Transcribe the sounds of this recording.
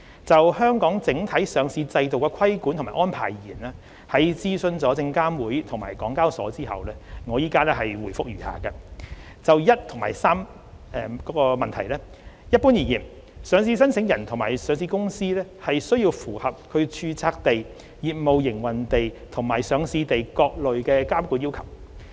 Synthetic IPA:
t͡sɐ˨whœː˥ŋkɔː˨˥ŋt͡sɪ˨˥ŋt̪ʰɐ˨˥jsœː˨˧ŋsiː˧t͡sɐ˧jt̪o˨wkɛː˧kʷʰɐ˥jkuː˨˥nt̪ʰmaː˨˩ʔɔː˥npʰa̰ː˨˩jjiː˨˩nɛː˥ | hɐ˨˧jt͡siː˥sɵ˧nt͡sɔː˨˥t͡sɪ˧ŋkaː˥mwuː˨˥jt̪ʰŋma̰ː˨˩jkɔː˨˥ŋkaː˥wsɔ̰ː˨˥t͡siː˥hɐ̰˨wlɛː˥ŋɔː˨˧jiː˥kaː˥lɛː˥hɐ˨jwuː˨˩jfʊ˥k̚jyː˨˩ha̰ː˨kɐ˧ | t͡sɐ˨wjɐ˥t̚t̪ʰʊ˨˩ŋmaː˨˩jsaː˥m | ɛ˨kɔː˨˥kɔː˧mɐ˨nt̪ʰɐ˨˩jlɛː˥ | jɐ˥t̚puː˥njiː˨˩njiː˨˩m | sœː˨˧ŋsiː˧sɐ˥nsʰɪ˨˥ŋjɐ˨˩nt̪ʰʊ˨˩maː˨˩jsœː˨˧ŋsiː˧kʊ˥ŋsiː˥lɛː˥hɐ˨jsɵ˥ɥjiː˧wfuː˨˩hɐ˨p̚kʰɵ˨˧ɥt͡ʃʰyː˧t͡sʰaː˧k̚t̪e˨j | jiː˨t̚mo˨wjɪ˨˩ŋwɐ˨˩nt̪e˨jt̪ʰʊ˨˩ŋmaː˨˩jsœː˨˧ŋsiː˧t̪e˨jkɔː˧k̚lɵ˨ɥkɛː˧kaː˥mkuː˨˥nji˥wkʰɐ˨˩w

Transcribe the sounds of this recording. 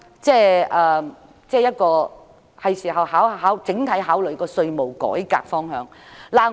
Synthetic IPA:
t͡sɛː˥˧ʔɐː˨˧ | t͡sɛː˥˧jɐ˥t̚kɔː˧ | hɐ˨jsiː˨˩ɦɐ˨whaː˨˥wɦaː˨˥wt͡sɪ˨˥ŋt̪ʰɐ˨˥jɦaː˨˥wlɵ˨ɥkɔː˧sɵ˧ɥmo˨˩wkɔ̰ː˨˥jka̰ː˧k̚fɔː˥ŋhœː˨˥ŋlaː˨˩

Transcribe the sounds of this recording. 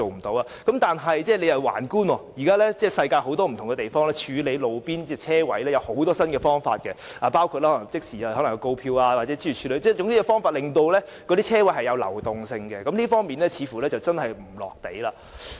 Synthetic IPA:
o˨wm̩˨˩t̪o˨˥waː˧kɐ˨˥mt̪aː˨nɦɐ˨jt͡sɛː˥˩le˨˧jhɐ˨˩wa̰ː˨˩nkuː˥nwɔː˧ji˨˩kaː˥lɛː˥t͡sɛː˥˩sɐ˧jkaː˧jho˨˥wt̪ɔː˥m̩˨˩t̪ʰʊ˨˩ŋɡɛ˧t̪e˨jfɔː˥ŋlɛː˥t͡ʃʰyː˨˧le˨˧jlo˨˧wpiː˥nt͡sɛ˧t͡sʰɛː˥wɐ̰˨˥jlɛː˥jɐ˨˧who˨˥wt̪ɔː˥sɐ˥nkɛ˧fɔː˥ŋfa̰ː˧t̚kɛ˧aː˨˩paː˥wkʰu˧t̚lɛː˥hɔ˧˥n˨˩ŋt͡sɪ˥k̚siː˨aː˧˩hɔː˨˥lɐ˨˩ŋjɐ˨˧ko˧wpʰiː˧waː˧wa˨t̚t͡sɛː˨˥t͡sʰi˧˥˨t͡ʃʰyː˨˧le˨˧jt͡sɛː˥˩jʊ˧˥ŋt̪iː˥kɔ˧fɔː˥ŋfaː˧t̚lɪ˨ŋt̪o˧wlɛ˥ | kɔː˨˧t̪iː˥t͡sʰɛː˥wɐ˨˥jɦɐ˨jɐ˨˧wlɐ̰˨˩wt̪ʊ˨ŋsɪ˧ŋkɛ˧kɐ˨˦mliː˥fɔː˥ŋmiː˨nlɛ˥t͡sʰiː˨˧fuː˨˩lɛː˥t͡sɐ˨wt͡sɐ˥nhɐ˨jm̩˨˩lɔ̰ː˨˩k̚t̪e˨˥jlaː˧

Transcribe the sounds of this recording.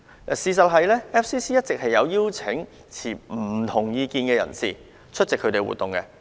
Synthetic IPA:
siː˨˧s̬ɐ˨t̚ɦɐ˨jlɛː˥ɛ˥p̚siː˥siː˥jɐ˥t̚t͡sɪ˨k̚hɐ˨jːɐ˨˧wjiː˥wt͡sʰɪ˨˥ŋ | t͡sʰiː˨˩m̩˨˩t̪ʰʊ˨˩ŋjiː˨˧kiː˨nkɛ˧jɐ̰˨˩nsḭː˨ | t͡ʃʰɵ˥t̚t͡sɪ˨kʰːɵ˨˧˥t̪e˨jwṵː˨t̪ːʊ˨˩ŋkɛ˧

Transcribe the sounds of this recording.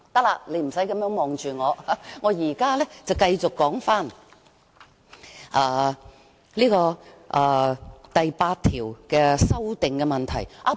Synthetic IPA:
t̪ɐ˥k̚laː˧le˨˧m̩˨˩sɐ˨˥jkɐ˨˧˥mjœː˨˥ŋmɔː˨ŋt͡ʃyː˨˩ŋɔː˨˧ŋɔː˨˧jiː˨˩kaː˥lɛ˥t͡sɐ˨wkɐ˧jt͡sʊ˨kːɔː˨˥ŋfaː˥˩n | ʔaː˨˧ | liː˥kɔː˧ʔaː˨˧t̪ɐ˨jpaː˧t̚t̪ʰiː˨˩wkɛː˧sɐ˥wt̪ɪ˨ŋkɛ˧mɐ˨nt̪ʰɐ̰˨˩jʔaː˧˩

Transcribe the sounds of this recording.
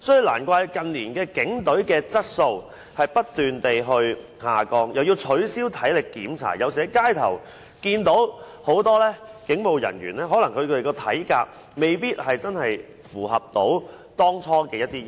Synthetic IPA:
sɔ˨˥jy˨˩la̰ː˨˩nkʷaː˧jkɐ˨nliː˨˩nkɛː˧kɪ˨˥ŋt̪ɵ˨˥ɥkɛː˧t͡sɐ˥t̚so˧w | hɐ˨jpɐ˥t̚t̪yː˨nt̪e˨jɦɵ˧ɥ | haː˨˩kɔː˧ŋjɐ˨wjiː˧wt͡ʃʰɵ˨˥ɥsiː˥wt̪ʰɐ˨˥jlɪ˨kːiː˨˥mt͡sʰa̰ː˨˩jɐ˨˧wsiː˨˩ɛ˨˥kaː˥jt̪ʰɐ̰˨˩w | kiː˧nt̪o˨˥w | ho˨˥wt̪ɔː˥lɛː˥kɪ˨˥ŋmo˨˧wjɐ̰˨˩nɥyː˨˩nlɛː˥ɦɔː˨˥lɐ˨˩ŋkʰɵ˧kʰɵ˧e˨˩kɔː˧t̪ʰɐ̰˨˥jka̰ː˧k̚ | me˨jpiː˥t̚hɐ˨jt͡sɐ˥nhɐ˨j | fuː˨˩ɦɐ˨p̚t̪o̰˨˥w | t̪ɔː˥ŋt͡sʰɔː˥kɛː˧jɐ˥t̚t̪iː˥

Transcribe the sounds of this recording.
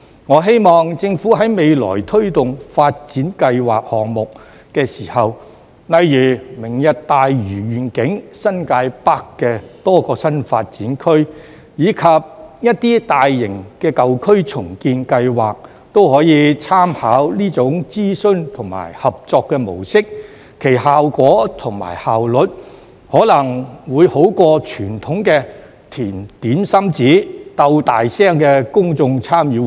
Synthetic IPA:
ŋɔː˨˧ɦe˥jmɔː˨ŋt͡sɪ˧ŋfuː˨˥ɦɐ˨˥jme˨˧jlɔ̰ː˨˩jt̪ʰɵ˥ɥt̪ʊ˨ŋfaː˧t̚t͡siː˨˥nkɐ˧jwa̰ː˨k̚hɔː˨ŋmʊ˨k̚ː | ɛː˧siː˨˩hɐ˨w | nɐ˨˧jjyː˨˩mɪ˨˩ŋjɐ˨t̚t̪aː˨jɥyː˨˩ɥyː˨˩nkɪ˨˥ŋsɐ˥nkaː˧jpaː˥kːɛː˧t̪ɔː˥kɔː˧sɐ˥nfa̰ː˧t̚t͡siː˨˥nkʰɵ˥ɥ | jiː˨˧kʰɐ˨p̚jɐ˥t̚t̪iː˥t̪aː˨jːɪ˨˩ŋkɛː˧kɐ˨wkʰɵ˥ɥt͡sʰʊ˨˩ŋkiː˧nkɐ˧jwaː˨k̚ | t̪o˥whɔː˨˥jiː˨˧t͡sʰaː˥mhaː˨˥wliː˥t͡sʊ˨˥ŋt͡siː˥sɵ˥nt̪ʰʊ˨˩ŋma̰ː˨˩jhɐ˨p̚t͡sɔː˧kːɛ˧mo̰˨˩wsɪ˥k̚ʰː | e˨˩jhaː˨wkʷɔː˨˥t̪ʰʊ˨˩ŋma̰ː˨˩jhaː˨wlɵ˨t̚ | hɔː˨˥lɐ˨˩ŋwuː˨˧jho˨˥wkɔː˧t͡ʃʰyː˨˩nt̪ʰʊ˨˥ŋkɛː˧ | t̪ʰiː˨˩nt̪iː˨˥nsɐ˥mt͡siː˨˥t̪ɐ˧wt̪aː˨jsɛː˥ŋkɛː˧kʊ˥ŋt͡sʊ˧ŋt͡sʰaː˥mjiː˨˧

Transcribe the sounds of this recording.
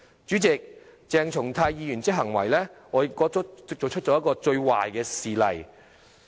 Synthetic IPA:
t͡ʃyː˨˥t͡sɪ˨k̚ | t͡sɛː˨ŋt͡ʃʰʊ˨˩ŋt̪ʰaː˧jjiː˧jyː˨˩nt͡sɪ˥k̚ɦɐ˨˩ŋwɐ˨˩jlɛː˥ŋɔː˨˧jɪ˨˥kkɔː˨˥˨t͡so˨wt͡ʃʰɵ˥t̚t͡ʃɔː˧˥jkːɔː˧t͡ʃɵ˧ɥwa̰ː˨jkɛː˧siː˨˩lɐ̰˨˩j

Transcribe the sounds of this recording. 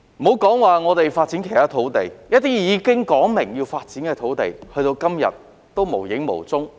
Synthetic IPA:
m̩˨o˨˧wkɔː˨˥ŋwaː˨˧ŋɔː˨˧t̪e˨jfaː˧t̚t͡siː˨˥nkʰe˨˩jt̪ʰaː˥t̪ʰo˨˥wt̪e˨˩jjɐ˥t̚t̪iː˥jiː˨˧kɪ˥ŋkɔː˨˥ŋmɪ˨˩ŋjiː˧wfaː˧t̚t͡siː˨˥nkɛː˧t̪ʰo˨˥wt̪ḛ˨jhɵ˧ɥt̪o˧wkɐ˥mjɐ̰˨˩t̚ | t̪ːo˥wmo˨˩wjɪ˨˥ŋmo̰˨˩wt͡sʊ˥ŋ

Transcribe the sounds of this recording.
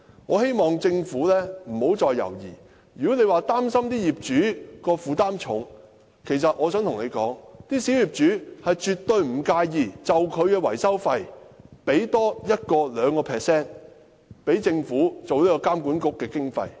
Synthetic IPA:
ŋɔ̰ː˨˧he˥jmɔː˨ŋt͡sɪ˧ŋfuː˨˥lɛː˥m̩˨˩ho˨˥wt͡sɔː˧jːɐ̰˨˩wjiː˨˩ | jyː˨˩kɔ˨˥ne˨˧jwaː˨t̪aː˥msɐ˥mt̪iː˥jiː˨p̚t͡ʃyː˨˥kɔː˧fuː˨t̪aː˥mt͡ʃʰʊ̰˨˥ŋ | kʰe˨˩js̬ɐ˨t̚ʔŋɔː˨˧sœ˨˥ŋt̪ʰʊ˨ŋne˨˧jkɔ̰ː˨˥ŋt̪iː˥si˨˥wjiː˨˩p̚t͡ʃyː˨˥hɐ˨jt͡ʃyː˨t̪ɵ˧ɥm̩˨˩kaː˧jjiː˨˩t͡sɐ˨wkʰɵ˨˧ɥkɛː˧wɐ̰˨˩jsɐ˥wfɐ˧jpe˨˥jt̪ɔː˥jɐ˥t̚kɔː˧lœː˨˧ŋkɔː˧pʰɛː˨sɛː˥˩n | pe˨˥jt͡sɪ˧ŋfuː˨˥t͡so˨wliː˥kɔː˧kaː˥mkuː˨˥nkʊ˥kːɛː˧kɪ˥ŋfɐ̰˧j

